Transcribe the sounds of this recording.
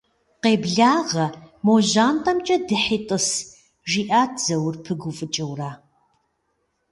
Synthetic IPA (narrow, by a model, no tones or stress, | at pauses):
qeːbɮaːʁɐmoːʑaːntʼɐmt͡ʃʼɐdɨħitʼɨs | ʒiːʔaːd͡zɐwrpʰɨɡʷʊfʼɨt͡ʃʼɐwraː